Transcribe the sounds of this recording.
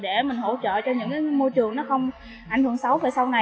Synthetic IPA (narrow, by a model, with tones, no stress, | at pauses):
ɗe˧˩mï̟˨˩ɦo̰˧˥t͡ɕə̰ː˧˨t͡ɕɔ˧ɲɨ̰˧˥ŋkaː˨˦jmo˧jt͡ɕɨ˨˩əŋnɔ˨˦xə˧wŋ͡m | ʔa˧˩jŋ̟hɨ˧˩əŋsa˨˦wvaː˨˩jsa˧wna˨˩